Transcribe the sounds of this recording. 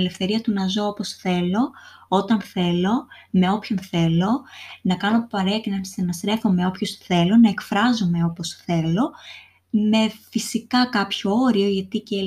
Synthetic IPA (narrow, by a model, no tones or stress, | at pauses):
ele̞fθe̞ɾiɐt̪unɐzo̞opo̞sθe̞lo̞ot̪ɐnθe̞lo̞me̞o̞pço̞nθe̞lo̞nɐkɐno̞pɐɾeɐcinɐnst̪enɐst̪ɾe̞fo̞me̞o̞pço̞sθe̞lo̞nɐekfɾɐzome̞o̞po̞sθe̞lo̞ | me̞fisikɐkɐpçooɾio̞ʝɐt̪ice